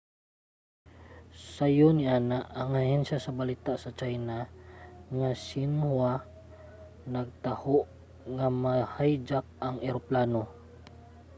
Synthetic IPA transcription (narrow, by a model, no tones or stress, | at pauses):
sajoniʔaːnaʔːŋahɛnsasɐbalit̪aʔsɐt͡ʃajna | ŋasɪnhwa | nɐɡ̚t̪ahoʔ | ŋamahajd͡ʒak̚aŋɛɾoplaːno